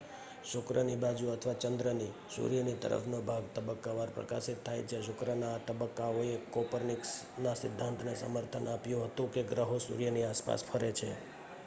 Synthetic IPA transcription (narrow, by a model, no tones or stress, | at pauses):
ʃʊkɾənibad͡ʒuət̪ʰəʋat͡ʃənd̪ɾənisṵɾijənit̪ə̰ɾə̰fʰnobʱaɡt̪əbəkːaʋaɾpɾə̰ka̰ʃit̪ʰːajt͡ʃeʃʊkɾənaːt̪əbəkːaoekɔpəɾniks | nasɪd̪ʱːãnt̪ʰnesə̰məɾt̪ʰənapjũɦət̪ũkeɡɾəɦosṵɾjəniaspa̰spʰəɾet͡ʃʰe